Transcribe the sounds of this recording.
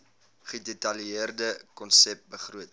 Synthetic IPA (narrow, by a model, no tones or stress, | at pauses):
χədetɐljəərdəkɔnsɛp̚bəχruət